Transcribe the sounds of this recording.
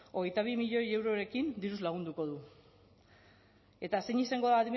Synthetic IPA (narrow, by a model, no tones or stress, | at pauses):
o̞ɣe̞jt̪aβ̞imiʎo̞je̞wɾo̞ɾe̞kind̪iɾuzlaɣ̞und̪uko̞ðu | e̞t̪ase̞ɲisaŋɡo̞ðaðim